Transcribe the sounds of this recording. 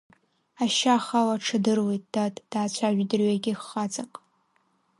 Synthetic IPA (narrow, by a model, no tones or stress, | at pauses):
aʃaχawaʈ͡ʂʰɨdɨrwe̞jtʼd̥atʼd̥aːt͡ɕʷʰaʒʷᶣdɨrɥaɡʲɪχːad͡zaqʼ